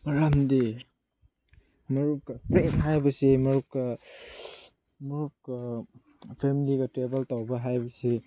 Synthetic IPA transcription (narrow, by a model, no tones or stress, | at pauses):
mɐɾamdi | mɐɾup̚kɐpɾenɦajbɐsimɐɾup̚kɐ | mɐɾup̚ka | pʰemiliɡɐtebɐltawbɐɦajbɐsi